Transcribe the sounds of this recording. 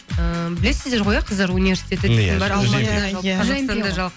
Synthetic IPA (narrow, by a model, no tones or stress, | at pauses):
əbɪle̞sɪzd̪e̞ɾʁo̞jɑqʰəzd̪ɑɾunivʲe̞ɾsi̥t̪ʲʰe̞t̪ɪt̪ʰed̪ɪŋbɑɾɑlˠmɑɑʒɑj̪nd̪ɑʒɑlˠq